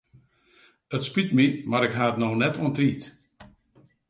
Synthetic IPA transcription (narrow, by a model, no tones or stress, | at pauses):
ətspitmimaɾɪkɦaːətnonɛtuəntriːt